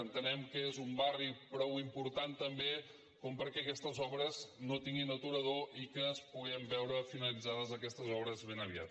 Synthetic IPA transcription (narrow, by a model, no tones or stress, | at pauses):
ənt̪ənɛmkəezumbaripɾɔwimpuɾt̪ant̪əmbe | kɔmpəɾkɛəkɛst̪əzɔβɾəznot̪iŋɡinət̪uɾəðoʔikənspuɣ̞ɛmbɛwɾəfinəlid͡zaðəzəkɛst̪əzɔβɾəzβenəβ̞ia̰t̪